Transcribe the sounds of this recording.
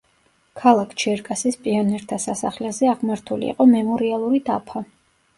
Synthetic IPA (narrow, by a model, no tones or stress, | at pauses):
kʰalˠakʰt͡ʃʰɛɾkʼasispʼianɛɾt̪ʰasasa̰χlɛzɛaʁmaɾt̪ʰulḭːqʼɔmɛmɔɾialˠuɾid̪apʰa